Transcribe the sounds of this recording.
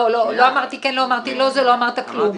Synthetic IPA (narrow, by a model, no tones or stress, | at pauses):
ololo̞amaʁt̪ikɛnloamaʁt̪ilo̞zelo̞amaʁt̪aklum